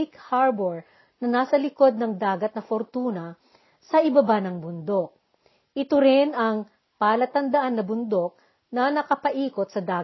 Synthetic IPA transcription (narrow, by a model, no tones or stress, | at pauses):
ikhaɹbɛɹ | nɐnaːsɐlɪko̞d̪̚nɐŋd̪aːɡɐt̪̚nɐfoɾt̪uːnɐ | sɐʔɪbɐbanɐŋbʊnd̪o̞k̚ | ʔɪt̪oɾɪnɐŋ | paːlɐt̪ɐnd̪ɐʔanːɐbʊnd̪o̞k̚ | nɐnɐkɐpɐʔiːkot̪̚sɐd̪aː